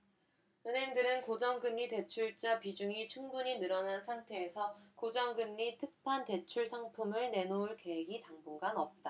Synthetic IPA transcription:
ɯnɦe̞ŋdɯɾɯnkod͡ʑʌŋɡɯmːite̞t͡ɕʰuɭt͡ɕ͈apid͡ʑuŋit͡ɕʰuŋbuɲinɯɾʌnansʰaŋtʰeːsʰʌkod͡ʑʌŋɡɯmːitʰɯk̚pʰante̞t͡ɕʰuɭsʰaŋpʰumɯɭne̞nouɭke̞ɦeɡitaŋbuŋɡanʌp̚t͈a

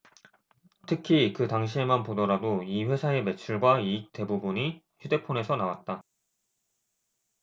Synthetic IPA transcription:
tʰɯkʰikɯtaŋɕ̬ʰie̞manpodʌɾadoiɸwe̞sʰae̞me̞t͡ɕʰuɭɡwaiːk̚te̞bubuɲi | çude̞pʰone̞sʰʌnawat̚t͈a

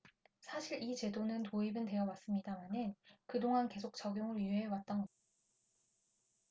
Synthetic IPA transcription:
sʰaɕʰiɾit͡ɕe̞donɯntoibɯnte̞jʌwas͈ɯmɲidamanɯnkɯdoŋanke̞sʰok̚t͡ɕʌɡjoŋɯɾjyɦeɦewat̚t͈ʌnɡʌa

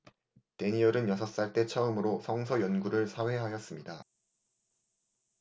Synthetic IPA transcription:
te̞ɲiʌɾɯnjʌsʰʌs͈aɭt͈e̞t͡ɕʰʌɯmɯɾosʰʌŋsʰʌjʌnɡuɾɯɭsʰawe̞ɦajʌs͈ɯmɲida

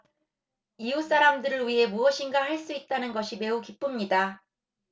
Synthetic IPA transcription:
ius͈aɾamdɯɾɯɭwɥiɦe̞muʌɕʰinɡaɦaɭs͈uit̚t͈anɯnɡʌɕʰime̞ukip͈ɯmɲida

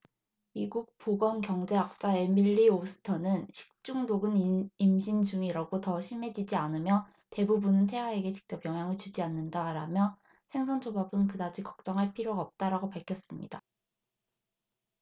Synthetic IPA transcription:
miɡuk̚p͈oɡʌnkjʌŋd͡ʑe̞ak̚t͡ɕ͈ae̞miʎːiosʰɯ̥tʰʌnɯnɕʰi̥k̚t͡ɕ͈uŋdoɡɯnimɕʰind͡ʑuŋiɾaɡotʌɕʰime̞d͡ʑid͡ʑianɯmjʌ | te̞bubunɯntʰe̞ɦwae̞ɡe̞t͡ɕi̥k̚t͡ɕ͈ʌpjʌŋɦjaŋɯɭt͡ɕud͡ʑianːɯndaɾamjʌ | sʰe̞ŋsʰʌnt͡ɕʰobabɯnkɯdad͡ʑʰikʌk̚t͡ɕ͈ʌŋɦaɭpʰiɾjoɡaʌp̚t͈aɾaɡopaɭkʰjʌs͈ɯmɲḭda

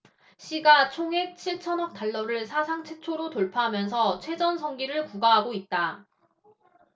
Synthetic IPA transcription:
ɕʰiɡat͡ɕʰoŋɦe̞k̚t͡ɕʰiɭt͡ɕʰʌnʌk̚t͈aɭːʌɾɯɭsʰasʰaŋt͡ɕʰet͡ɕʰoɾotoɭpʰaɦamjʌnsʰʌt͡ɕʰwe̞d͡ʑʌnsʰʌŋɡiɾɯɭkuɡaɦaɡoit̚t͈a

